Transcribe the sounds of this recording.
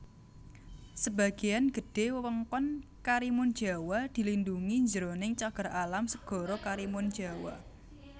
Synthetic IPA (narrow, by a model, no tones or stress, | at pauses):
səba̤ɡ̥e̤janɡ̥ə̤ɖ̥e̤wəwəŋkɔn | kaɾimʊnd̥ʒ̥a̤wad̪̥i̤linduŋiɲd͡ʒəɾonɪŋt͡ʃaɡ̥ə̤ɾalamsəɡ̥ɔ̤ɾɔkaɾimʊnd̥ʒ̥a̤wa̰